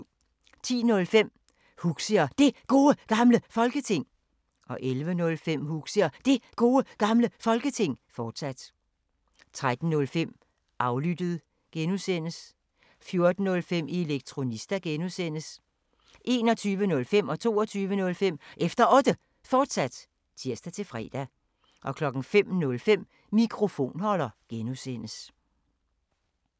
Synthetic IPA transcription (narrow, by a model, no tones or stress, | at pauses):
t͡sʰḭːnɔ̽lfem̰ | huɡ̥səɐd̥e̝ɡ̥o̝ːəɡ̥ɑ̈mləfɒ̽lɡ̥ət͡sʰe̝ŋ̰ | ʔɒ̽ʔelʋənɔ̽lfem̰huɡ̥səɐd̥e̝ɡ̥o̝ːəɡ̥ɑ̈mləfɒ̽lɡ̥ət͡sʰe̝ŋ̰fɒːd̥sæd̥ | t͡sʰʁad̥n̩nɔ̽lfem̰ | ʔɑ̈ʊlyd̥əð̩ˠ | ɡ̥enusen̰əs | fjo̝ɐd̥n̩ːɔ̽lfem̰ieleɡ̥̚t͡sʰʁo̝nisd̥æɡ̥enusen̰əs | ʔe̝̰ːnɒ̽t͡sʰyːʋənɔ̽lfem̰ɒ̽t͡sʰo̝̰ːɒt͡sʰyːʋənɔ̽lfem̰ʔefd̥ɐʔɔ̽d̥ə | fɒːd̥sæd̥ | t͡sʰiɐ̰sd̥æt͡sʰe̝fʁɛ̰ːd̥æ | ʔɒ̽kʰlɒ̽ɡ̥n̩fem̰nɔ̽lfem̰ː | ikʰʁo̝fo̝̰ːnhɒ̽lɐɡ̥enusen̰əs